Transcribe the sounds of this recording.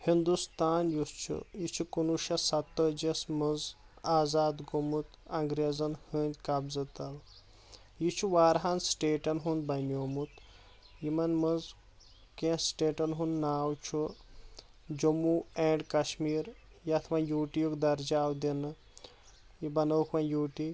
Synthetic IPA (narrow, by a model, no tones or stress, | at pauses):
hind̪ust̪aːnjust͡ʃʰṵjit͡ʃʰukunuʃɐsɐt̪ːəd͡ʒesmɨz | aːzaːd̪ɡumut̪ɐŋɡɾezɐnhɨːnʲkɐbzɨt̪ɐl | jit͡ʃʰuʋaːɾɦansʈeːʈɐnɦunbɐnoːmut̪ | jimɐnmɐz | kẽsʈeːʈɐnɦunnaːwt͡ʃʰu | d͡ʒomueːɳɖkɐʃmiːɾ | jɐt̪ʰmɐnjuːʈijukd̪ɐɾd͡ʒaːwd̪enɨ | jibɐnɐwkʰʋɐnjuːʈi